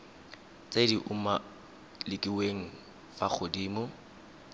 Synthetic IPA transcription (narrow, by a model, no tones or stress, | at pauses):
t͡sʼediʔʊma | lɪkʼiweŋ̩ | fak͡xʰʊdiːmʊ